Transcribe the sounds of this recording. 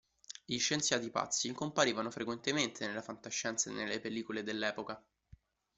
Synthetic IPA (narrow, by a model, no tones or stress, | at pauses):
iʃːent̪sjaːt̪ipa̰t̪sːikompaɾiːvanofɾekwent̪ement̪ʰenelːafant̪aʃːɛnt̪sanḛlːepelːiːkoled̪elːɛːpoka